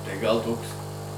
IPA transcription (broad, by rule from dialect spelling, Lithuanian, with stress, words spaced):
tɐɪ ɡɐlˠ ˈtoːks